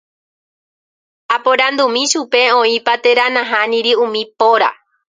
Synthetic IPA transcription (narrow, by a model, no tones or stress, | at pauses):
apõɾãnd̪umĩʃupe̞õĩpat̪e̞ɾanãɦãnĩɾiũmĩpoɾa̰